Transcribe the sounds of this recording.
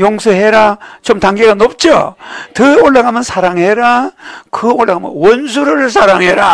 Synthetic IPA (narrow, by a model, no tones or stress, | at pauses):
joŋsʰɯɦeɾat͡ɕomtaŋɡeɡanop̚t͡ɕ͈o̰tɯoɭːaɡamɯnsʰaɾaŋɦeɾakɯoɭʔaɡamɯ̰nwʌnsʰuɾɯɾɯɭsʰaɾaŋɦeɾa